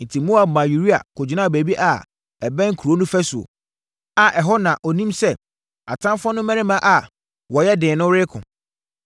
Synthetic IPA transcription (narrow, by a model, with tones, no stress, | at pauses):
n̩˨tʰi˨mo˦a˨mã˨ju˨ɾi˦a̰˨kʰʊ˨d͡ʑi˨˦nã˦˨be˨bi˦ʔa˨ | ɛ˨bɛ̃˦ŋ˦kʰu˨ɾo˦nʊ̃˦fæ˦su˨o̰˨ | a˨ʔɛ˨ɦɔ˦nã˨ʔɔ˨nĩ˦msɛ˦ | a̰˨tʰã˦m˦fɔ˦nʊ̃˦mæ̃˦ɾɪ̃˦mã˦ʔa˨ | wɔ˨jɛ˦dɪ̃ː˨nʊ̃˦ɾɪ˦kʰʊ̃˨